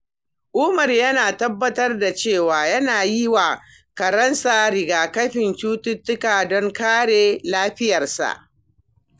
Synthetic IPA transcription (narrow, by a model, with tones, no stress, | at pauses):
ʔʊ˦mɐ˨rjɐ˦naː˨tɐ˦bːɐ˦tɐ˦rda˨t͡ʃeː˦˨waː˨jɐ˦naː˨ji˦waː˨ | kɐ˨ɾɐ˦nsaː˨ɾɪ˨ɡaː˨kɐ˦ɸɪ˨nt͡ʃuː˦tʊ˦tːʊ˦kaː˨dɔ˦ŋkaː˦ɽeː˨laː˦ɸɪ˦jɐ˨rsa̰˨ʔ